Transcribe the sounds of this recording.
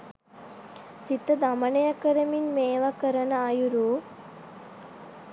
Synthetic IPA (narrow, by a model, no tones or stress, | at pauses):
sit̪ːɐd̪ɐmɐnɐjɐkɐɾɐminmeːʋɐkɐɾɐnɐajuɾu